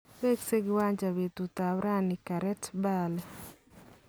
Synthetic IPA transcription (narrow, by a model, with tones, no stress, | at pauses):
we˦kse˦ɡɪ˦wa˦ɲd͡ʒa˨wi˨t̪u˨t̪a˨wɾa˦nika˨ɾɛ˦tbal